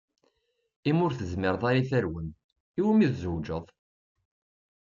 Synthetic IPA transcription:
imʊɾθəzmɪɾðˤɑɾiθæɾwən | iwəmiðzəwd͡ʒəðˤ

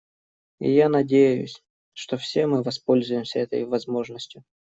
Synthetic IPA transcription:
ɪ̰janɐdʲejjʊ̰sʲ | ʂt̪ofsʲe̞mɨvɐspo̞lʲzʊjɪmsʲəɛt̪ə̰jvɐzmo̞ʐnəsʲtʲjʊ

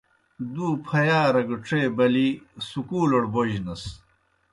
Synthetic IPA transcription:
d̪uːpʰɐjaːɾɐɡɐʈ͡ʂeːbɐlisukuːlɐɽboʑnɐs

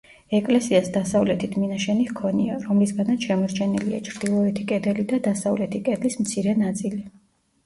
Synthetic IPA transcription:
ɛkʼlɛsiasd̪asavlɛt̪ʰid̪ʰminaʃɛnikʰɔniaɾɔmlisɡanat̪sʃɛmɔɾt͡ʃʰɛnilia̰t͡ʃʰɾd̪̥ilˠɔɛt̪ʰikʼɛd̪ɛlid̪ad̪asavlɛt̪ʰikʼɛd̪lismt̪sʰiɾɛnat̪sʼili

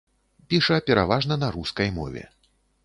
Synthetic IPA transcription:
pʲiʂɐpʲɛɾa̰vaʐnɐnɐɾuskɐjmɔ̰vʲɛ̰

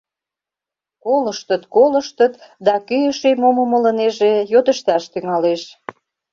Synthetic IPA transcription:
koləʃt̪ət̪koləʃt̪ət̪d̪ɑkyjəʃemoməmələ̆neʒejot̪əʃt̪ɑʃt̪yŋɑleʃ

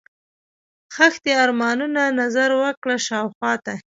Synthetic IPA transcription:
xaxt̪eaɾmɑnunanazaɾwəkɽaʃɑwxwɑt̪a

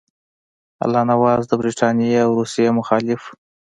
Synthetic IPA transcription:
a̰lːɑnawɑzd̪əbɾiʈʰɑnijeawɾusjemʊxɑlɪf

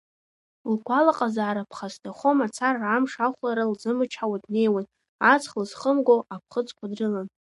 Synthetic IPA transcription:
lkʷʰalaqʼazaːɾapʰχasdaχo̞mat͡sʰarːamʂaχʷlaɾalzɨmɨt͡ʃʰħawadne̞jwan | at͡sʰχlɨzχəmɡʷoʔap̚ʰχət͡sʼkʷʰadrɨlan

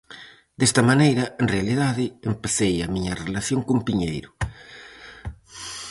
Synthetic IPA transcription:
d̪̥ɛst̪ɐmanejɾɐenrealiðaðɪempaθejamiɲɐrelaθjoŋkumpiɲejɾʊ

